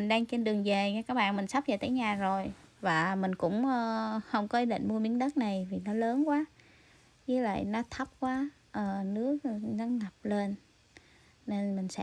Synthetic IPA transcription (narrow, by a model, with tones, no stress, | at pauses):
i˨˩ŋɗaː˧ŋt͡ɕe˧nɗɨ˨˩əŋve˨˩˧kaː˦˥k̚ɓa̰ː˧˨nmï˨˩ŋ̟sa˦˥p̚ve˨˩t̪ʰe˨˦jɲaː˨˩zo˨˩jvaː˨˩mï˨˩ŋ̟kʊ̰˧˥ŋ͡mʔəː˧hə˧˩wŋ͡mkɔ˨˦ʔi˧˦ɗḭ˧˨ŋ̟mu˧əmi˨˦ənɗə˦˥t̚na˨˩jvi˨˩nɔ˨˦ləː˨˦nkwaː˨˦ | ɲɨ˨˦lə̰˧˨jnɔ˨˦t̪ʰə˦˥p̚kwaː˨˦ | ʔəː˨˩nɨ˦˥ək̚ɲa˨˧ŋŋa˨˩p̚le˧n | ne˧nmï˨˩ŋ̟sɛ̰˧˥